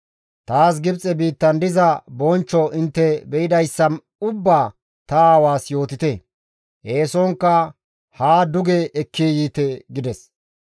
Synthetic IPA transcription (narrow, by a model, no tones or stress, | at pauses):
t̪aːs̬ɡɪbt͡sʼɛbiːt̪ːɐnd̪ɪzɐbɔnt͡ʃːɔʔɪnt̪ːɛbɛʔɪd̪ɐjsːɐn | ʊbːaː | t̪ɐaːwaːsjo̞ːt̪ɪt̪ɛ | ʔeːsɔŋkːɐ | haːd̪ʊɡɛʔɛkːijiːt̪ɛɡɪd̪ɛs